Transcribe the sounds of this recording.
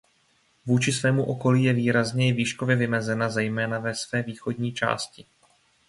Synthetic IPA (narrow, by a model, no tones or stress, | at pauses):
vuːt͡ʃɪsvɛːmuʔo̞ko̞liːjɛviːɾazɲɛɪviːʃkovjɛvɪmɛzɛnazɛjmɛːnavɛsvɛːviːxo̞dɲiːt͡ʃa̰ːscɪ